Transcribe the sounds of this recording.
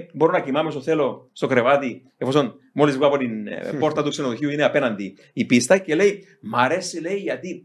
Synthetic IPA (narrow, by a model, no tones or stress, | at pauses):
boɾonakimames̬oθelosokreβat̪i | efoson | molizɡwaβoninpoɾt̪at̪uksenoxiuineapenand̪i | ipist̪ajkelej | maɾesilejat̪i